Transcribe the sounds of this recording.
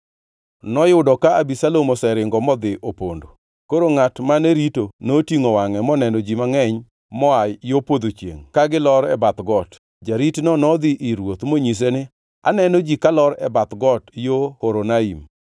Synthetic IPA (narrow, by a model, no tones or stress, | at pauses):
nɔjʊdɔkaabisalomosɛɾɪŋɡɔmɔd̪ɪʔopondo | koɾoŋatmaneɾitonotiŋowaŋɛmɔnɛnɔd͡ʒimaŋɛɲ | mɔajjopod̪ot͡ʃjḛŋkaɡɪlɔɾɛ̰bat̪ɡɔt | d͡ʒaɾitnɔnɔd̪ɪʔiɾwot̪moɲis̬enɪ | a̰nɛnod͡ʒikalɔɾɛ̰bat̪ɡɔtjohoɾonaim